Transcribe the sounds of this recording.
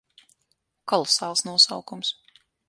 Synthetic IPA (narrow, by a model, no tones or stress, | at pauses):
kɔlˠɔsaːlˠsnuɔsawkums